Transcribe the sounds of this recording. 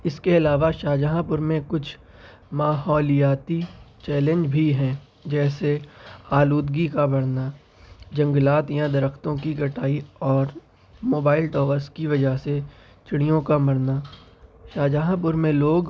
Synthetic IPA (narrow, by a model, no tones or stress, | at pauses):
ɪskeɐlaːʋaʃaːd͡ʒaɦãpʊɾmẽkʊt͡ʃʰ | maːɦɔːlijaːt̪it͡ʃɛːlə̃ɲd͡ʒbʱiɦɛ̃ː | d͡ʒɛːseaːluːd̪ɡikabɐɽna | d͡ʒɐ̃ŋɡlaːt̪jãd̪ɐɾəxt̪õkiɡɐʈaːiɔːɾ | moːbaːɪlʈɔːʋəskiʋɐd͡ʒəɦse | t͡ʃɪɽ̃ijõkamɐɽnaʃaːd͡ʒaɦãp̬ʊɾmẽloːɡ